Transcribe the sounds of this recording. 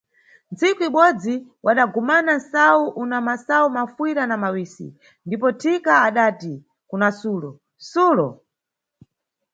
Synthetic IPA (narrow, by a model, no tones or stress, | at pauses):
nt͡sikuiɓɔd͡ziwʔaɗaɡumanansawuʔunamasaumafwiɾanamawiːsḭ | ndipɔtʰikaːɗaːti | kunasuːlɔ | suːlɔ̰